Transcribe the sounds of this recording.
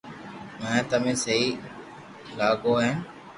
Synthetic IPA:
mɛ̃ːt̪əmẽːsəɦiː | laːɠoːɦẽːn

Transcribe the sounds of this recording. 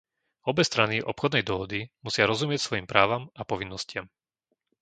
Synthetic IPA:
ɔbɛst̪ɾaniʔɔ̰pxɔd̪nɛjd̪ɔɦɔd̪imusɪaɾɔzumɪɛcsʋɔjimpɾaːʋamapɔʋinːɔscɪam

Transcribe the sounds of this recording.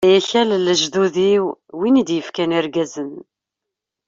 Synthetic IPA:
jæçælləʒðuðiwwinid̪jəfkæniɾɡæzən

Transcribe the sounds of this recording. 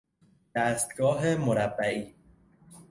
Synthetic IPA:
d̪̥æːst̪̚ɡɒːɦemoɾæbːæiː

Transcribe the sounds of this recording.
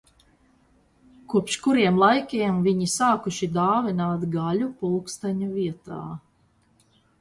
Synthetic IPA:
kuɔpʃkuɾiɛmlˠajkʲiɛmviɲisaːkuʃid̪aːvinaːt̪ɡaʎupulˠkst̪aɲuviɛt̪a̰ː

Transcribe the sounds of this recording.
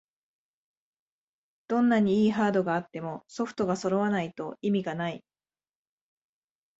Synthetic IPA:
d̪̥õ̞nːaɲ̟iiːɦaːd̪o̞ɡaːt̪ːe̞mo̞so̞ɸɯ̥t̪o̞ɡaso̞ɾo̞βanait̪o̞imʲiɡanai

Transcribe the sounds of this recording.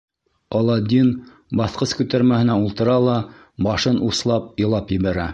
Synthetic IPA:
ɑlˠɑd̪ʲin | bɑθqɤskʉt̪æɾmæhɘ̆næulˠt̪ɤ̆ɾɑlˠɑ | bɑʃɤnʔuslˠɑp̚jɤ̆lˠɑpjɘ̆βæɾæ

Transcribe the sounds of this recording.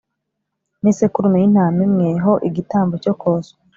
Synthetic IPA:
nisekuɾumojin̥haːmimŋeɦoʔiɡitaːmbocokoːso̥

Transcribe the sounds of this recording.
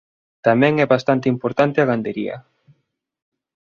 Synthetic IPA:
t̪amɛ̃ŋɛβast̪ant̪eimpoɾt̪ant̪ɪaɣand̪eɾḭɐ̰

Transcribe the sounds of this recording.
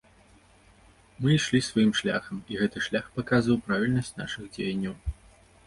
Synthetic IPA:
mɨiʂlʲisvɐjimʂlʲa̰xɐmiɣɛt̪ɨʂlʲaxpɐkazvɐwpɾavʲilʲnɐsʲt͡sʲna̰ʂɨɣd͡zʲejɐnʲːɐw

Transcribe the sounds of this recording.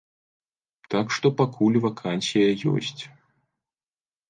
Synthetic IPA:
t̪akʂt̪ɔpakʰulʲvakʰansʲijɐjɔ̰sʲt͡sʲ

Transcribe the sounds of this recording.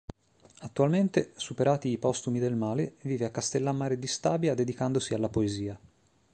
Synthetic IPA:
at̪ːualment̪esupeɾaːt̪iːpɔst̪umid̪elmaːleviːveakːast̪elːamːaːɾed̪ist̪aːbjad̪ed̪ikand̪osialːapoeziːa

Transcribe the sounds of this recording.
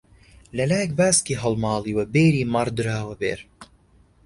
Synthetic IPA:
lɐlaːjɛk̚baːskiːɦɐlmɑːliːwɐbeːɾiːmɐɾd̪ɨɾaːwɐbḛːɾ

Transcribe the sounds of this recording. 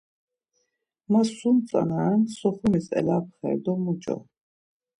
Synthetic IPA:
masunt͡sʼa̰nansɔχumisɛ̰lap̚ʰχɛ̰ɾd̪ɔmut͡ʃʼɔ̰

